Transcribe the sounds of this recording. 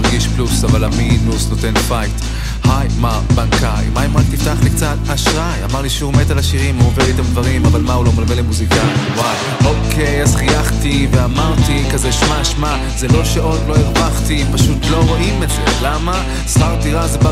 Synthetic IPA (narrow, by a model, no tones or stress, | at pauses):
ʁɡiʃplusavalaminusnot̪enfajt̪ | hajma | baŋkajmaimʁaktiftaχlikt͡sat̪haʃʁaja̰maʁliʃeumetalaʃiʁimuoveʁitamd̪vaʁimavalmaulomalvelemuzikawa | okʰe̞jazχijaχtiveamaʁt̪ikazeʃmaʃma | zeloʃaʔotlo̞iʁbaχtimpaʃutlo̞ʁoʔimezḛlama | sχaʁtiʁazeba